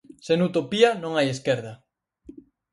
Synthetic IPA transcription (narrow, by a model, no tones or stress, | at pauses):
senut̪opianõŋajeskeɾða